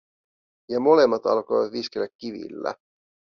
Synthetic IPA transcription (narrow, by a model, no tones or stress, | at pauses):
jɑmo̞le̞mːɑt̪ɑ̰lkojʋɑt̪ʋiskelækʲːiʋḭlːæ̰